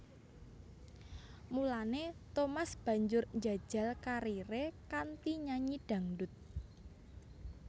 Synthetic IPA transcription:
mulanet̪omasb̥ä̤ɲd͡ʒʊrɲd͡ʒa̤̥ʒ̥a̤lkaɾiɾekant̪iɲaɲiɖ̥ä̤ŋɖʊt̪̚

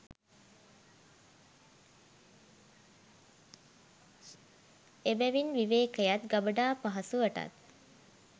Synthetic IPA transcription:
ebæʋinʋiʋeːkəjat̪ɡabəɖaːpaɦɐsuəʈa̰t̪

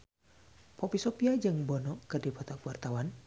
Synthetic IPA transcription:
pɔpisɔpiad͡ʒɨŋbɔnɔʔkɨrdipɔt̪ɔkwart̪awan

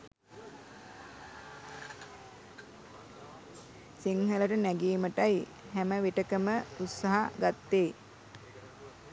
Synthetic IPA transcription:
siŋhələʈənæɡiːməʈaj | hæməʋeʈəkəməut̪saɦaɡat̪ːeː

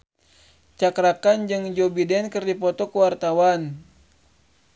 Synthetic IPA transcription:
t͡ʃakɾakand͡ʒɨŋd͡ʒobidɛnkɨrdipɔt̪ɔkəwart̪awan

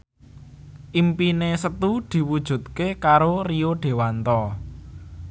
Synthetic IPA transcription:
ʔimpinesət̪ud̪̥i̤wud̥ʒ̥ṳt̪̚kekaɾorioɖ̪̥e̤want̪ɔ

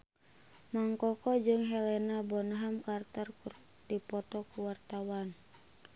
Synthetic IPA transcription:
maŋkɔkɔd͡ʒɨŋɦɛlɛnabɔnaɦamkart̪ɔrkur | dipɔt̪ɔkuwart̪awan

